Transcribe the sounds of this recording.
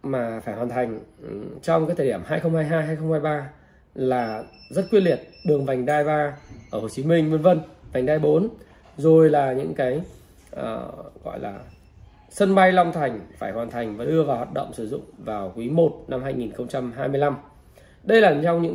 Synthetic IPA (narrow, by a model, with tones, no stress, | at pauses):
maː˨˩faː˧˩jhwaː˨˩nt̪ʰa˨˩jŋ̟t͡ɕɔ˧wŋ͡mkaː˨˦jt̪ʰəː˨˩i˧˩əmhaː˧jxə˧wŋ͡mhaː˧jɦaː˧jhaː˧jxə˧wŋ͡mhaː˧jɓaː˧ | laː˨˩zə˦˥t̚kwi˧ənli˨˩ət̚ɗɨ˨˩əŋva˨˩jŋ̟ɗaː˧jɓaː˧ʔəː˧˩ho˨˩t͡ɕi˨˦mï˧ŋ̟mwi˧nvə˧nva˨˩jŋ̟ɗaː˧jɓo˨˦n | zo˨˩jlaː˨˩ɲɨ̰˧˥ŋkaː˨˦j | ʔəː˨˩ɣɔ̰˧˨jla̰ː˨˩ | sə˧nɓa˧jla˧wŋ͡mt̪ʰa˨˩jŋ̟faː˧˩jhwaː˨˩nt̪ʰa˨˩jŋ̟vaː˨˩ɗɨ˧əvaː˨˩whwaː˨˩t̚ɗə̰˧˨wŋ͡msɨ˧˩zʊ̰˧˨ŋ͡mvaː˨˩wkwi˨˦mo˨˩t̚na˧mhaː˧jŋi˨˩nxə˧wŋ͡mt͡ɕa˧mɦaː˧jmɨ˧əjla˧m | ɗə˧jlaː˨˩˨t͡ɕɔ˧wŋ͡mɲɨ̰˧˥ŋ